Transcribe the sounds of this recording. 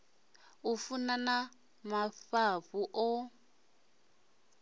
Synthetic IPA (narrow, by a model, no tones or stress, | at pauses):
ufunana | maɸaɸuʔɔ